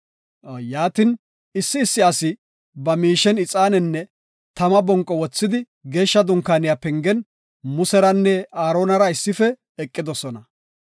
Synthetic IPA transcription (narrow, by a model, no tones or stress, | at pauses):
jaːt̪ɪn | ɪsːɪːsːɪɐsɪ | bɐmiːʃɛnɪt͡sʼaːnɛnːɛ | t̪ɐmɐbɔŋkʼːɔwɔt͡sːɪd̪ɪ | ɡe̞ːʃːɐd̪ʊŋkaːnɪjapɛŋɡɛn | mʊsɛɾɐnːɛaːɾoːnɐɾɐɪsːɪfɛː | kʼːɪd̪ɔsɔnɐ